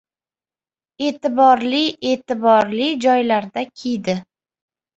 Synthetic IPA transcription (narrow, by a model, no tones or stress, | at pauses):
e̞ːt̪ɪbɒɾlɪe̞t̪ɪbɒɾlɪd͡ʒɒjlaɾd̪akʲʰejd̪ɪ